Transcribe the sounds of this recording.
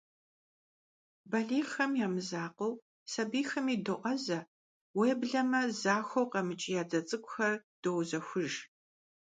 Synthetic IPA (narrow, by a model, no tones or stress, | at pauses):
bɐɮiːxɐmjaːmɨzaːqow | sɐbiːxɐmiːdɨʔʷɐzɐ | weːbɮɐmɐzaːxʷowqɐmɨt͡ʃʼɪjaːd͡zɐt͡sʼɨkʷʼʊxɐrd̥owzɐxʷʊʒ